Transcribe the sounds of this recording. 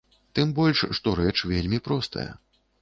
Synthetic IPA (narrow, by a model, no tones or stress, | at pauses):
t̪ɨmbɔlʲʂʂt̪ɔɾɛt͡ʂvʲelʲmʲipɾɔst̪ɐ̰jɐ̰